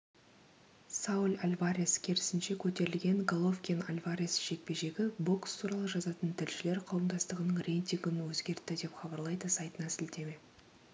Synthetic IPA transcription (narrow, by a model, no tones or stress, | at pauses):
saʊlʲalʲvaɾʲiskʲʰeɾɪsɪnʃe̞kʲʰɵt̪e̞ɾɪlɡʲe̞ŋɡolˠo̞fkʲena̰lʲvaɾʲisʒ̥e̞k̚pe̞ʒe̞ɡʲɪbo̞kst̪ʰuɾɑlˠəʒɑzɑt̪ənt̪ʰɪlʃɪle̞ɾqʰɑwəmd̪ɑst̪əʁənəɴrʲe̞jnʲt̪ʲiŋɡənwɵzɡʲe̞ɾt̪ːɪd̪e̞pχɑbɑɾlˠɑjd̪əsɑjt̪ənɑsɪld̪e̞me̞